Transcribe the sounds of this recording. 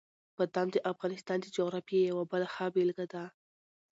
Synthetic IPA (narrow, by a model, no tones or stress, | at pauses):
bad̪ɑmd̪əʔafɣɑnɪst̪ɑnd̪əd͡ʒoɣɾɑfjejawabəlaxabelɡad̪a